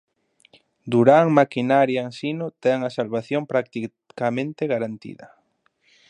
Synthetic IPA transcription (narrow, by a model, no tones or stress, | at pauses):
d̪uɾaŋmakinaɾjaeŋsinʊt̪ɛŋɐsalβaθjompɾak̚t̪i | kamẽnt̪eɣaɾant̪ḭðɐ̰